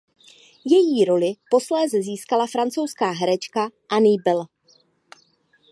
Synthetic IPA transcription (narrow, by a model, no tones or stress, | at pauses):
jɛjiːɾo̞lɪpo̞slɛːzɛziːskalafɾant͡so̞wskaːɦɛɾɛt͡ʃkaʔaniːbɪl